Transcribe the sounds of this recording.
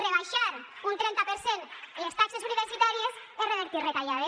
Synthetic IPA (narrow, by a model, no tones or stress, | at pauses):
reβajʃaɾ | unt̪ɾɛnt̪apeɾsenelest̪aksesuniβeɾsit̪aɾies | ereβeɾt̪irek̪aʎaðe